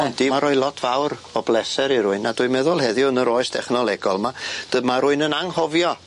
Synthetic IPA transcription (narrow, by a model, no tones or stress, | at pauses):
d̥imaɾɔɨlˠɔtʰv̥awɾɔblɛsɛɾiɾʊɨnadʊːɨmɛðʊlˠhɛðjʊənəɾoːɨstʰɛχnɔlˠɛɡɔlˠmad̥əmaɾʊɨnənaŋhɔvjɔ